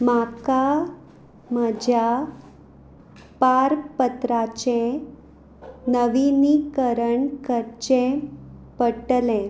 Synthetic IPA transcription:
maka | məd͡ʑʱja | paɾpət̪ɾat͡ɕẽ | nəʋinikəɾəɳkəɾt͡ɕẽpəʈlɛ̃

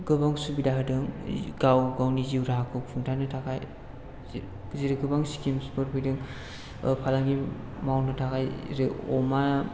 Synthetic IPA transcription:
ɡɯbaŋsubidaɦɯdɯŋɡawɡawniziwɾaakʰɯpʰuŋtʰanɯtʰakʰaj | ziɾɯɡɯbaŋsi̥kemspɯɾpʰɯjdɯŋ | pʰalaŋɡi | mawnɯtʰakʰajɾɯɔma

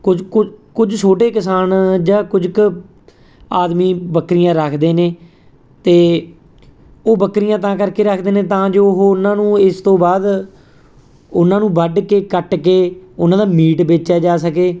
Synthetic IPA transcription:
kʊd͡ʒkʊkʊd͡ʒsoːʈeːkəsaːnd͡ʒaːkʊd͡ʒk | aːd̪miːbəkːɾɪjãːɾəkʰd̪eːneː | t̪eː | oːbəkːɾɪjãːt̪ãːkəɾkeːɾəkʰd̪eːnẽːt̪ãːd͡ʒoːɦoːʊnãːnũːɪst̪õːbaːd̪ | ʊnãːnũːbəɖkeːkəʈkeːʊnãːd̪aːmiːʈbeːt͡ʃaːd͡ʒaːsəkeː

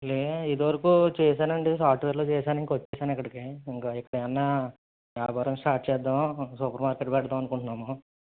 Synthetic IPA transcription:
leid̪iʋɐɾɐkuːt͡ʃɛːʃaːnɐɳɖesaːpʰʈʋeːɾloːt͡ʃɛːʃaːniŋkɐʋɐt͡ʃːɛːʃaːnikːɐɽikeːiŋkaːikːɐɽɐɐnːaː | aːbɐɾɐmsʈaːʈ̚t͡ʃɛːd̪ːamsupɐɾmaːɾkeːʈbɛʈɐd̪amɐnukuɳʈunːaːmo

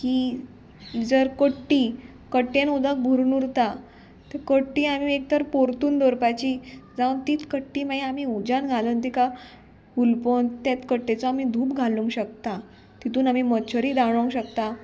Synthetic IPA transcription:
kiː | d͡zəɾkoʈːiː | kəʈːenud̪ak̚bʱuɾnuɾt̪a | t̪ekoʈːiːam̤iek̚t̪ʰəɾpoɾt̪uːnd̪oɾpajt͡ɕiːd͡zaʋt̪iːt̪kəʈːiːmaiamiud͡ʑanɡʱalənt̪ika | hulpont̪jat̪kəʈːet͡sɔamid̪ʱuːpɡʱaluŋɡɕək̚t̪a | t̪it̪uːnamimət͡ɕʰəɾiːd̪aɽoŋɡɕəkt̪a

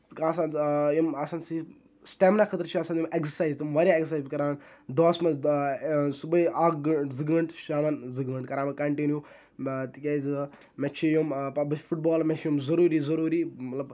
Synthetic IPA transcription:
t̪kasanjimasaːnsi | sʈeːmnakʰɐt̪ɾt͡ʃʰiasaːnimʔeksəɾsaːjzt̪umʋɐɾjaeksəɾsaːzbʲikɐɾaːnd̪oːsmɐ | subɐiaːɡzɨɡəɳʈʃaːmɐnzɨɡəɳʈkɐɾaːmɐnkɐɳʈinju | t̪ikʲeːz | met͡ʃʰijumɐbɐfuʈ̚bɔːlmet͡ʃʰjumzɐɾuːɾiːzɐɾuːɾimɐt̪lɐb

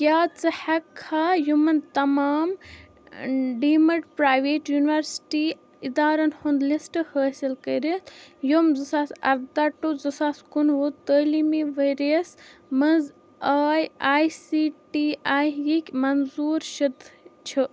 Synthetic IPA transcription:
kʲjaːt͡sɐhɛkʰːaːjumɐnt̪ɐmaːm | ɖiːmɐʈpɾaːjʋeːʈjuniʋɐɾsʈi | id̪aːɾɐnhond̪lisʈɨhəːsʲilkɐjɾet̪ʰjomzɨsaːsɐ̰ɾd̪aʈːozɨsaːskunʋut̪əlimeʋəjɾesmɐnz | aːjaːjsiːʈiaːjjikʲmɐnzuːɾʃɐd̪t͡ʃʰɨ

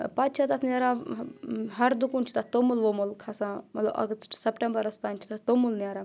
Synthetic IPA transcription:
paːt̪̚t͡ʃʰat̪ɐt̪ʰnjaːɾa | ɦɐɾd̪ukunʲt͡ʃʰi̥t̪ɐt̪omulʋomulkʰasãːmɐt̪lɐ̰bɐ̰ɡt̪sɐpʈẽmbɐɾɐst̪aːnʲt͡ʃʰi̥t̪at̪omulnʲaːɾaː

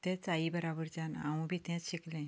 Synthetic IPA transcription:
t̪ɛ̃t͡saibəɾabəɾd͡ʑãna̰wũbʱiːt̪ɛ̃t͡sɕiklɛ̃

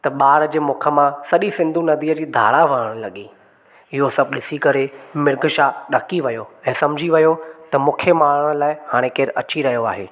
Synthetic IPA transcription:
t̪ɐɓaːɾd͡ʑeːmʊːkʰəmãsɐɗisɪ̃nd̪ʱunɐd̪iːəd͡ʑiːd̪ʱa̰ːɽaʋɐɦəɽ̃lɐɠi | ɪɦosɐb̚ʱɗɪsikɐɾemɪɾɡʱʃaɗɐkiʋɐjoɛ̃ːsɐ̃md͡ʑʱiʋɐjot̪ɐmʊ̃ːkʰemaːɽəɽ̃laːɪhaːɽ̃ẽkeːɾɐt͡ɕiɾɐɦijoa̰ːɦḛː

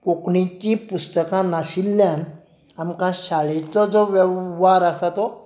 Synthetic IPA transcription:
kokɳĩt͡ɕĩpust̪əkãnaɕilːjãn | amkãɕaɭet͡sɔd͡zɔʋɛʋʋaɾasat̪ɔ

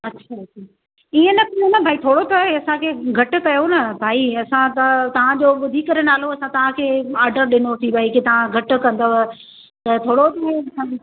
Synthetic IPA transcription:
ɐtːʃʰaɐtʃʰa | iẽnɐk̪ɐonɐbʱaːit̪ʰoːɽot̪ʰoɦeɐsãkʰeːɡʱɐʈʊ̆kɐjonɐbʱaːiɐsãt̪t̪ɐʋ̤ãd͡ʑoːɓʊd̪ʱikɐɾenaːloɐsãt̪ɐʋ̤ãkʰeːaːɾɖəɾɗɪnot̪ʰibʱaːiket̪ɐʋ̤ãɡʱɐʈʊ̆kɐ̃nd̪oɦ | t̪ɐt̪ʰoːɽot̪ʰaɦeɐsã

